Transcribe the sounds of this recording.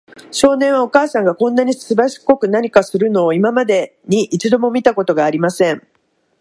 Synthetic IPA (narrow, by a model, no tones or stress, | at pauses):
ɕo̞ːnẽ̞ɰ̃βao̞kaːsãŋɡakõ̞nːaɲ̟isɨbaɕi̥ko̞kɯ̟naɲ̟ikasɨɾɯ̟no̞ːimamad̪e̞ | ɲ̟iʔit͡ɕid̪o̞mo̞mʲit̪ako̞t̪o̞ɡaːɾʲimasẽ̞ɴ